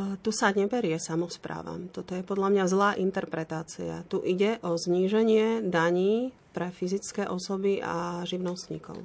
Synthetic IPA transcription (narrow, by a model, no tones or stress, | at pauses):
t̪usaɲɛbɛɾɪɛsamɔspɾa̰ːʋa̰mt̪ɔt̪ɔjɛpɔd̪ʎamɲazlaːʔint̪ɛɾpɾɛt̪aːt͡sḭa̰t̪uʔiɟɛʔɔzɲiːʒɛɲɪɛd̪aɲiː | pɾɛfizit͡skɛːʔɔsɔbia̰ʒiʊnɔst̪ɲḭkɔ̰ʊ